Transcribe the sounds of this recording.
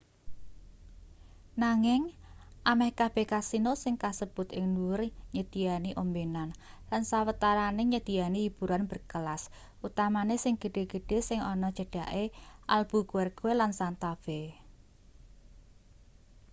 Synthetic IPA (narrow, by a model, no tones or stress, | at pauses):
naŋɪŋʔamɛhkab̥ɛ̤hkasinosɪŋkasəb̥ʊ̤t̪ɪŋnuʊrɲəd̪̥ijaniʔombenan | lansawət̪aɾaneɲəd̪̥i̤janiib̥ṳɾanbərkəlas | ʔut̪amanesɪŋɡ̥ə̤ɖ̥e̤ɡ̥ə̤ɖ̥e̤sɪŋɔnɔd̥ʒ̥ə̤ɖ̥aʔeʔa̰lb̥ṳkuwɛrɡ̥oelansant̪ab̥e